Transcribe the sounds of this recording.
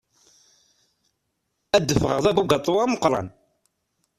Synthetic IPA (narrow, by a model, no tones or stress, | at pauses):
æd̪ːəfəʁəʁðæbuɡɑt̪ˤːwaməqːɾˤɑ̰n